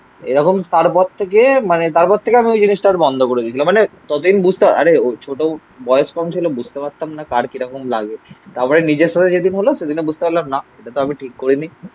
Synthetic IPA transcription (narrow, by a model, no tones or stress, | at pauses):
ḛɾɔkomt̪aɾpɔɾt̪ʰːekemanet̪aɾpɔɾt̪ʰːekeamiojd͡ʑiniʃʈaɾbɔnd̪ʱokoɾed̪iet͡ɕʰilamːmanet̪ɔt̪od̪inbud͡ʑʱt̪eaa̰ɾeot͡ɕʰoʈo | bɔeoʃkɔmt͡ɕʰilobud͡ʑʱt̪epaɾt̪amnakaɾkiɾɔkomla̰ɡet̪aɾpɔɾenid͡ʑeɾʃat̪ʰed͡ʑed̪inɦoloʃed̪inebud͡ʑʱt̪epaɾlamnaeʈat̪oamiʈʰikːoɾini